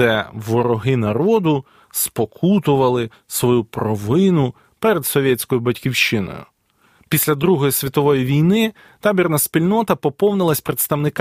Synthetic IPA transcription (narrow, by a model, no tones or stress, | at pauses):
ɛʋɔɾɔɦɪnɐɾɔd̪ʊ | spɔkʰut̪ʊʋɐlˠɪ | sʋɔjupɾɔʋɪnʊ | pɛɾed̪sɔʋʲjɛt͡sʲsʲkɔjʊbɐtʲkʲiwʃt͡ʃɪnɔ̰jʊ̰ | pʲisʲlʲɐd̪ɾuɦɔjisʲʋʲit̪ɔʋɔjiʋʲijnɪ | t̪abʲirnɐsʲpʲilʲnɔt̪ɐpɔpɔwnɪlˠɐsʲpɾet̪st̪ɐwnɪk